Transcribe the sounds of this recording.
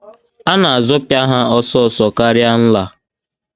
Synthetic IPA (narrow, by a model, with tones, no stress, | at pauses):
a˦na˨a˨zʊ˦pja˦ɦa˦ɔ˦sɔ˦˨sɔ˨ka˦ɾja˦n̩˦la˨